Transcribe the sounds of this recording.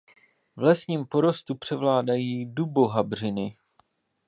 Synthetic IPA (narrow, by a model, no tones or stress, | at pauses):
vlɛsɲiːmpo̞ɾo̞st̪upr̝̥ɛvlaːdajiːduboɦabr̝ɪnɪ